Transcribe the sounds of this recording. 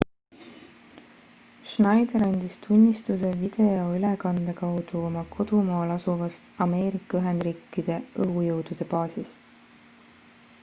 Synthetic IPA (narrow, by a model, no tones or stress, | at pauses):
ʃnɑjd̪eɾɑnʲd̪̥ist̪ʰunʲːist̪use̞vid̪̥e̞o̞ylekɑnd̪̥e̞kɑwd̪̥uo̞mɑkʰo̞d̪̥umɑːlɑsuvɑst̪ɑme̞ːɾikːˑɑyɦe̞nd̪̥ɾiːkːˑid̪̥e̞ɤujɤwd̪̥ud̪̥e̞pɑːsis